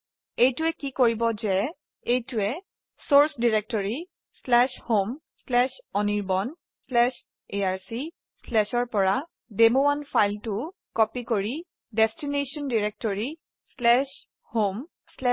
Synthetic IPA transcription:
ejtʊɛkikoɹibɔzɛ | ejtʊɛ | soɹsdiɹek̚tɔɹi | slɛʃhom | slɛʃɔniɹbɔn | slɛʃ | eaɹsi | slɛʃɔɹpɔɹa | demoanfajltʊ | kɔpikoɹi | dɛstinesɔndiɹek̚tɔɹi | slɛʃ | hom | slɛ

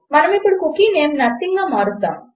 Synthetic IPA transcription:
manamepuɽkukinemnat̪iŋɡamaɾut̪a̰

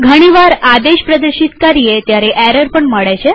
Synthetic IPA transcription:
ɡʱəɽ̃iʋaɾad̪eɕpɾəd̪əɾɕit̪kaɾijet̪jaɾeʔɛɾəɾpəɳməɽajt͡ɕe

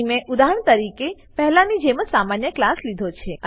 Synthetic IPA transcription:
mẽʔud̪ʱaɦəɳ̃t̪əɾike | pɛɦɛlanid͡ʒeməsamanjəklaslid̪ʱot͡ʃʰeə

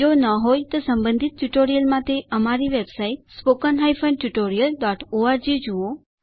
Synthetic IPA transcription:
onəɦojt̪osəmbə̃nd̪ʱit̪̚ʈuʈoɾijəlmãt̪eəmaɾiʋebsait̪spokənɦajfə̃ɳɖʈuʈoɾijəlɖɔʈoaɾd͡ʒid͡ʒuo

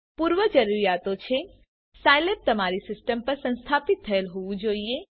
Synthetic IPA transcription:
puːɾʋəd͡ʒəɾuɾijaːt̪ot͡ʃʰe | sajlep̚t̪ɐmaːɾisɪsʈəmpəɾsə̃nst̪ʰaːpɪt̪ʰːɐelɦuʋũd͡ʒoːie

